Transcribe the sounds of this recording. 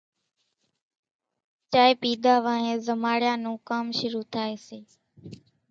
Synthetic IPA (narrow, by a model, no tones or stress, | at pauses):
t͡ʃaːeːpiːd̪ʱaːʋãːɦẽːzəmaːɽɪjãːnũːkaːmʃʊɾuːt̪ʰaːeːseː